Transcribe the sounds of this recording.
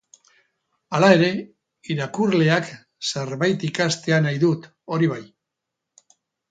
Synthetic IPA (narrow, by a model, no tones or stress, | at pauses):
alae̞ɾe̞ | iɾakurle̞ak | seɾβajt̪ikast̪e̞anajðut̪ | o̞ɾiβaj